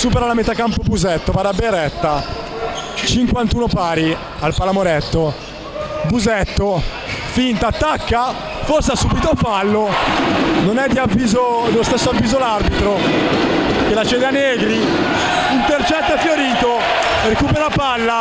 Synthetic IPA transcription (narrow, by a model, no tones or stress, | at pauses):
suːpeɾalamet̪akampobuzɛt̪ːopaɾabːeɾɛt̪ːa | t͡ʃiŋkwant̪uːnopaːɾi | alpalamoɾɛt̪ːo | buzɛt̪ːo | fint̪at̪ːakːa | forseasuːbit̪ofalːo | nonɛd̪ːiavːiːzod̪elːost̪esːoavːiːzolarbit̪ɾo | kelːat͡ʃɛːd̪eanːeːɡɾi | int̪ert͡ʃɛt̪ːafjoɾiːt̪o | rekuːpeɾapalːa